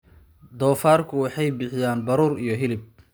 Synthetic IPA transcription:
d̪ɔːfaːrkʰʊwɑħɑjbɪħɪjaːnbɐɾuːrijɞɦɪlɪb̚

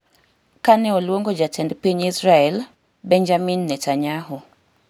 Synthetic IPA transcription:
kanɛɔlwoŋɡod͡ʒatʰɛndpiɲisɾaɛl | bɛɲd͡ʒaminːɛtaɲaɦɔ

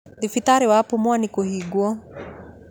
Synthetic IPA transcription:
ðifitaɾiwapumwanikuɦiɡwɔ

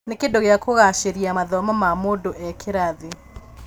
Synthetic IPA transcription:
nekedoɣeakoɣaʃeɾiamaðɔmamamodoʔɛkʰeɾaðe

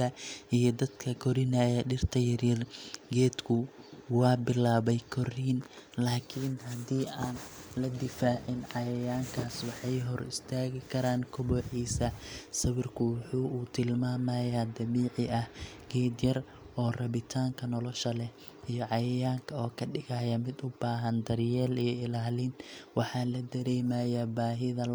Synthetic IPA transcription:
ɐijɞd̪ɐd̪kʰɐkʰɔɾɪnɐjɛɖɪrt̪ʰɐjɐɾɪrɡɛːd̪kʰʊwɑːbɪlaːβɛjkʰɔriːnlaːkʰɪnɦɐd̪iːʔaːnlɐd̪ɪfaːʕɪnʕɑjɐjaːŋkʰaːswɑħɑjɦɔrɪ̰st̪ʰaːɣɪkʰɐɾaːŋkʰʊbɔːħiːsɐsɐβɪrkʰʊwʊħuːt̪ʰɪlmaːmɐjaːd̪ɐβiːʕɪʔɐh | ɡ̥ɛːd̪jɐr | ʔɔːrɐβɪt̪ʰaːŋkʰɐnɔlɔʃɐlɛ | ijɔʕɑjɐjaːŋkʰɐɔːkʰɐɖɪɣɐjɐmɪd̪ʊbaːɦɐnd̪ɐrjɛːlijɞɪlaːlɪnwɑħɑːlɐd̪ɐɾɛːmajɐbaːɦɪðɐ

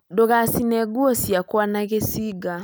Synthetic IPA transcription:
doɣasinɛɡwɔsjakwanaɣesiːɡa

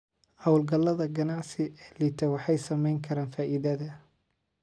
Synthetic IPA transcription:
hɐwlɡɐlːɐðɐɡɐnɑʕsɪɛlit̪ʰɐwɑħɑjsɐmɛjŋkʰɐɾaːnfaːʔiðɐðɐ

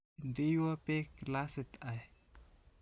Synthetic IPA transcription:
ndejuapeklaset̪aj

